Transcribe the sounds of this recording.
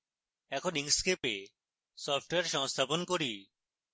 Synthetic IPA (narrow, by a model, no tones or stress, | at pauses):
ɛkʰoniŋskepe | sɔpʰʈoeaɾʃɔŋst̪ʰaponkoɾi